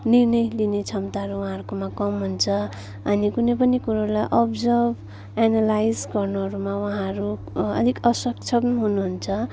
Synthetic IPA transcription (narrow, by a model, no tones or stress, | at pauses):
nirnʌjlinet͡sʰʌmt̪aɦʌɾuwɦãʌɾkomakʌmɦunt͡sʰʌ | ʌnikunʌjpʌnikuɾaɾulajʔʌbd͡zʌrb | analajd͡zɡʌrnoɦʌɾumawʌɦãɾu | ʌ̰d̪ʱikʌsʌkt͡sʰʌbnɦunuɦunt͡sʰʌ